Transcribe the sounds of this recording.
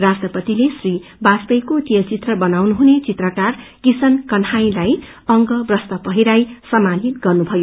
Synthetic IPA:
rasʈrʌpʌt̪ilesribat͡spʌjkot̪ijʌt͡sit̪rʌbʌnawnuɦunet͡sit̪rʌkarkisʌnkʌnhaj̃laj | ʌŋɡʌbrʌst̪ʌpʌɦiɾajsʌmanit̪ɡʌrnubʱʌjo

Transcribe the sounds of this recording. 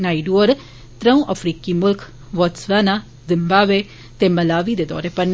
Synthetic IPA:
naːiɖuəɾ | t̪ɾəũːʔəfʰɾiːkiːmʊlkʰ | ʋɔt̪sʋaːnaː | zɪmbaːbeː | t̪eːməlaːʋiːd̪eːd̪ɔ̰ːɾeːpən

